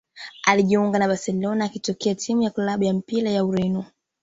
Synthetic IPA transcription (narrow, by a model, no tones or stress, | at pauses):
aliʄiuŋɡanaɓasɛlɔnaːkitɔkɛatʰimujakulaɓujam̩piɾajauɾinɔ